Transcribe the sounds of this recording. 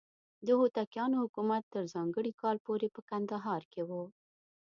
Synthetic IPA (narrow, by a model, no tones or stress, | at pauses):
d̪əɦot̪akjɑnohʊkumat̪ːəɾzɑŋɡəɽikɑlpoɾepəkand̪aɦɑɾkewu